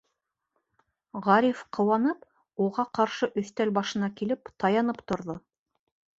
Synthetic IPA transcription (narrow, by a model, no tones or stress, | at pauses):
ʁɑɾʲifqʰɤ̆wɑnɤp | uʁɑqɑɾʃɤʔɵ̆θt̪ælbɑʃɤ̆nɑkilɘpt̪ɑjɑnɤpt̪ŏɾðo